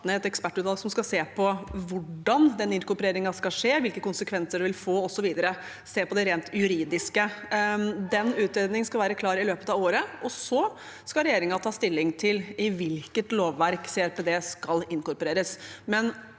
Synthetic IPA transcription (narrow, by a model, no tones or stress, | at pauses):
nəɛt̪ɛkspæʈːʉt̪ːɑlɡsɔmskɑseːpʰɔʋʊɖɑnd̪ɛnɪnkʊɾpɾeːɾɪŋɑskɑlʂeːʋɪlkəkʊnsəkʰʋɛnsəɖɛʋɪlfoːɔsːɔʋiːd̪əɾə | seːpɔd̪ɛɾeːnt̪jʉɾiːd̪ɪskə | d̪ɛnʉːt̪ɾeːd̪nɪŋskɑʋæːɾəkʰlɑːɾɪløːpə̥t̪ɑʋoːɾəɔsɔ | skɑlɾɛjeːɾɪŋɑt̪ʰɑːst̪ɪlːɪŋt̪ʰɪlɪʋɪlkət̪loːʋːæɾkseæɾpɛd̪eːskɑlɪnkʊɾpɔɾeːɾəsmɛn